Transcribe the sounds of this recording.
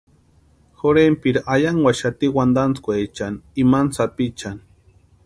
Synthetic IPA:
xoɾempiɾaʔajaŋwaʃat̪iwand̪ant͡skʷet͡ʃanimansapit͡ʃan

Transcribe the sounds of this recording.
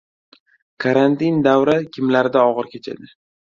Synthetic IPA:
kʰaɾant̪ind̪awɾakʲʰɪmlaɾɪd̪aɒʁɨɾkʲʰet͡ʃʰa̰d̪ɪ

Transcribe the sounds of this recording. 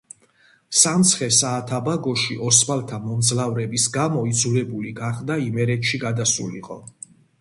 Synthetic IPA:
samt̪sʰχɛsaːt̪ʰabaɡɔʃiʔɔsbalt̪ʰamɔnd̪zlavɾɛbisɡamɔid̪zulɛbuliɡaχd̪aimɛɾɛt̪ʃiɡad̪asṵlḭqʼɔ

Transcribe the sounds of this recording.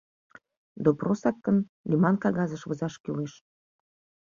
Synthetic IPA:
d̪oprosɑt̪̚kən | nʲimɑnkɑɣɑzəʃβəzɑʃkyleʃ

